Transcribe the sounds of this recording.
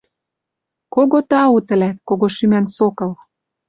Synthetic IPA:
koɣot̪ɑut̪ə̆læt̪̚koɣoʃymænsokɤ̆l

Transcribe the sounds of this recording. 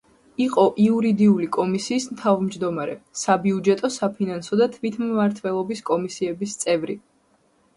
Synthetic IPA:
iqʼɔʔiuɾid̪iulikʼɔmisiːsmt̪ʰavmd͡ʒd̪ɔmaɾɛsabiud͡ʒɛt̪ʼɔsapʰinansɔd̪at̪ʰvit̪ʰmːaɾt̪ʰwɛlˠɔbiskʼɔmisiɛbist̪sʼɛvɾi

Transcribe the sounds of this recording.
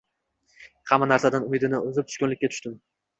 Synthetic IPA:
hamːanaɾsad̪anʊmɪd̪ɪnɪozɪp̪̚ʰʊ̥ʃkʊnlɪkʲːat̪ʰʊ̥ʃt̪ɪm

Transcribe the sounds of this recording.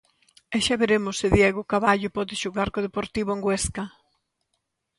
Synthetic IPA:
ɛʃaβeɾemʊsːɪðjɛɣʊkaβaʎʊpɔðɪʃoɣaɾkoðepoɾt̪iβʊeŋɡweskɐ

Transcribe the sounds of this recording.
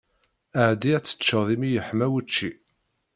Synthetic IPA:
əʕd̪iæt͡sːə̥t͡ʃːəðˤimijəħmæwət͡ʃːi

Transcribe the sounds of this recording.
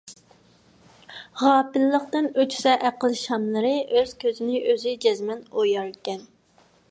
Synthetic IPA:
ʁɑːpɪlːəqt̪ɨnøt͡ʃʰi̥sɛʔæqəlˠʃɑmlˠəɾɨøz̥kʲʰøzɪnɪʔøzɪd͡ʒɛzmɛnojɑɾkʲɛn

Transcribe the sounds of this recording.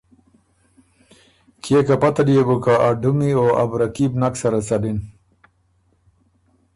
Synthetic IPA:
kʰekapat̪adijebukaaɖumioa̰bɾakibnaksaɾat͡salin

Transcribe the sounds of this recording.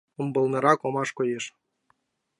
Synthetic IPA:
ombɤ̆lˠnɤ̆ɾɑkomɑʃkojeʃ

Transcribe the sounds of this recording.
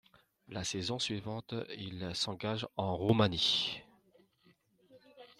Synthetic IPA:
lasɛzɔ̃sɥivɑ̃t̪ilsɑ̃ɡaʒɑ̃ʁomani

